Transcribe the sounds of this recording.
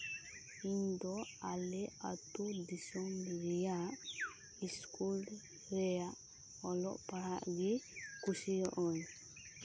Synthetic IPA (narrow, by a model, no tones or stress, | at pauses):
iɲd̪ɔalɛa̰t̪ud̪isɔmɾijaʔ | iskul | ɾɛjaʔ | ɔlɔʔpaɾaʔɡikusijɔʔɔɲ